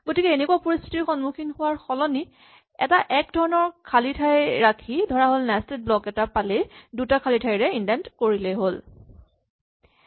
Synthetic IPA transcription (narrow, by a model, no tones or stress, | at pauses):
ɡ̥otikɛenekuwapoɹist̪ʰitiɹxɔnmukʰinhʊwaɹxɔlɔni | ɛ̰taʔɛk̚dʱɔɹɔnɔɹkʰalitʰajɹakʰidʱɔɹaɦolnɛstet̚blɔkɛtapaledutakʰalitʰajɹɛindɛntkoɹileɦol